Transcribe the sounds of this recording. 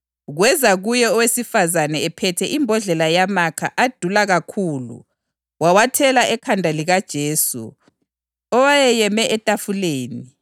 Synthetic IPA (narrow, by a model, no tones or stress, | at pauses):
ɣwɛzaɣujɛɔwesifazanɛːpʰɛtʰɛʔimbʱɔɮɛlajamakʰa̰ʔad̥ʱulaɣakʰuːlṵ | wawatʰɛlaʔɛkʰandʱaliɣad̥ʒ̥ʱeːsṵ | ɔwajɛjɛmɛʔɛtʼafuleːni